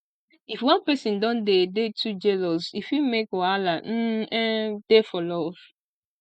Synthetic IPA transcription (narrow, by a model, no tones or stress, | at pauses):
ifwãnpɛsĩndɔ̃ndedetʰud͡ʒɛlɔzifjumekalan̩ɛ̃d̥efɔlɔv̥